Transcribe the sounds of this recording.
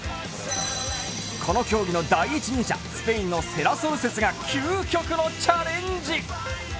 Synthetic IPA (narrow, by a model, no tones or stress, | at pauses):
kʰo̞no̞kʲo̞ːɡʲino̞d̪aiːt͡ɕiɲĩɕa̰sɨ̥pe̞ĩnːo̞se̞ɾasoɾɯse̞t͡sɨɡakʲʰɨːkʲo̞kɯ̟no̞t͡ɕaɾẽ̞ɲd͡ʑi